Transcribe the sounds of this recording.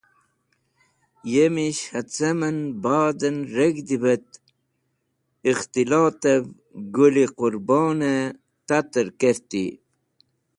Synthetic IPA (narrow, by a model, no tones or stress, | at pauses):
jemiɕhɐt͡sɐmɐnbɑːd̪ənɾeɡd̪iβət̪ | ixt̪ilɑːt̪ev | ɡuliquɾbɑːne | t̪at̪əɾkeɾt̪ḭ